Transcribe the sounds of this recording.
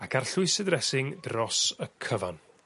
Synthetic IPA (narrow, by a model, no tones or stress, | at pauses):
akʰarɬʊɨsədrɛsɪŋdrɔsəkʰəvan